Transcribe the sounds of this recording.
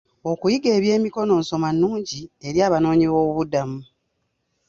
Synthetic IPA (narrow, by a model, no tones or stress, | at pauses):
o̞kujiɡe̞ːβje̞ːmiko̞no̞ːnso̞manːuːɲɟie̞ɾjaːβano̞ːɲiβoːuβudamu